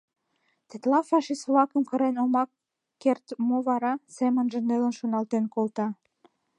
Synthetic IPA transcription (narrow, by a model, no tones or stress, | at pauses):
t̪et̪lɑfɑʃisvlɑkə̆mkə̆ɾenomɑkː | ert̪moβɑɾɑsemənʒə̆nelə̆nʃonɑlt̪enkolt̪ɑ